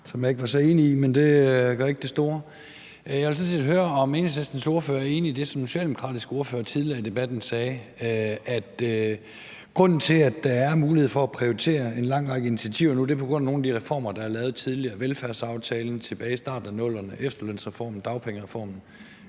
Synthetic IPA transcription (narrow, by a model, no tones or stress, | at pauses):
sɒ̽mjɑ̈e̝ɡ̥ʋɑ̈sɒ̽e̝ːniimend̥e̝ɡ̥ɶɐe̝ɡ̥̚d̥e̝sd̥o̝ːɐ | jɑelsɒnsid̥ɦøːɐɒ̽meːnsesd̥ænso̝ɐføːɐæɐe̝ːniid̥e̝sɒ̽msoɕɛ̰ːldemo̥kʰʁɑ̈ːd̥isɡ̥o̝ɐføːɐt͡sʰiðˠliɐid̥e̝b̥æd̥n̩sɛː | æd̥ | ɡ̥ʁɔ̽n̰n̩t͡sʰe̝læd̥ːɑ̈æɐmuːliheð̰ˠfɒ̽æpʰʁioit͡sʰe̝̰ːɐe̝nlɑ̈ŋ̰ʁɑ̈ɡ̥əinit͡sʰiæt͡sʰiʊ̰ɐnud̥eɐpʰɒ̽ɡ̥ʁɔ̽n̰no̝ːnæd̥iʁɛfɒ̰ːmɐd̥ɑhæɐlɛːʊð̞̩ˠt͡sʰiðˠliɐʋelfæɐ̰sɑ̈ʊt͡sʰɛːln̩t͡sʰe̝b̥ɛːisd̥ɑ̈ːd̥̩ˠænɔ̽l̰ɐnəʔefd̥ɐløn̰sʁɛfɒ̰ːmn̩d̥ɑ̈ʊpʰeŋəʁɛfɒ̰ːmn̩